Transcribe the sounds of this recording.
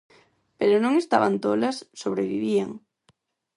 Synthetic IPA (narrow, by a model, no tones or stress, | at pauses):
peɾonõŋest̪a̰βant̪olasːoβɾeβiβ̞ia̰ŋ